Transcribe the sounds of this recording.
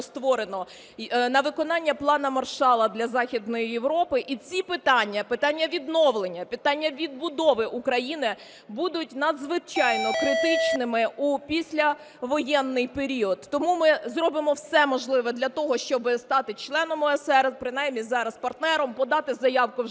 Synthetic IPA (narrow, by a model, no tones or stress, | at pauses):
st̪ʋɔɾenɔ | nɐʋɪkɔnɑnʲːɐplˠɑnɐmɐrʃɑlˠɐd̪lʲɐzɑxʲid̪nɔjijeʋɾɔpɪʔit͡sʲipɪt̪ɑnʲːɐpɪt̪ɑnʲːɐʋʲid̪nɔʋlˠenʲːɐpɪt̪ɑnʲːɐʋʲid̪̚bʊd̪ɔʋɪʔukɾɐjinɪ | bud̪ʊtʲnɐd̪zʋɪt͡ʃɑjnɔkɾɪt̪ɪt͡ʃnɪmɪʔupʲisʲlʲɐ | ʋɔjɛnːɪjpeɾʲiɔd̪ːɔmumɪzrɔbɪmɔwsɛmɔʒlˠɪʋɛd̪lʲɐt̪ɔɦɔʃt͡ʃɔbɪst̪ɑt̪ɪt͡ʃlˠɛnɔmɔɛsɛrpɾɪnɑjmnʲizɑɾɐspɐrt̪nɛɾɔmpɔd̪ɑt̪ɪzɐjɑwkʊ